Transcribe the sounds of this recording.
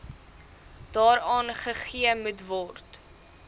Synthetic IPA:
d̥ɑːɾɑːnχəχiəmutvɔrt

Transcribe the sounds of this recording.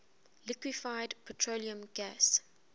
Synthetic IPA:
lɪkwifaɪdpʰətʰɹoliə̃mɡæs

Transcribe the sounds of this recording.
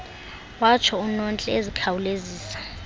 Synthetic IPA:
wat͡ʃʰɔunɔnt͡ɬʼɛezikʰawuleziːsḁ

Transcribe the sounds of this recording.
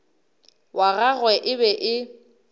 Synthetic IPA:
waɣaɣwɛʔɪbɛʔɪ

